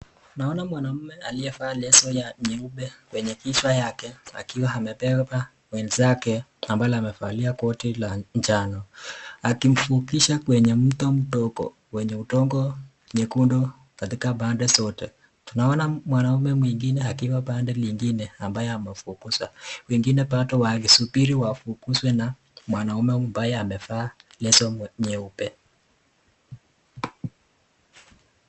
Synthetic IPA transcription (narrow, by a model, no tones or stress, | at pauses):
tunaɔnamwanam̩mɛaliɛfalɛsɔjaɲɛuɓɛkwɛɲɛkiswajakɛa̰kiwaɦamɛpɛpa | wɛnzakɛambaɔamɛfaliakɔtilaɲd͡ʒanɔakim̩fukiʃakwɛɲɛm̩tɔm̩tɔkɔ̰ | wɛɲɛutɔŋɡɔ | ɲɛkundɔ | katikabandɛsɔtɛ | tunaɔnamwanaumɛmwiŋɡinɛakiwabandɛliŋɡinɛambajɛamɛfukuswa̰wɛŋɡinɛpatɔwaɣisupiɾiwafukuswɛna | mwanaumɛumbajɛamɛfaːlɛsɔɲɛupɛ̰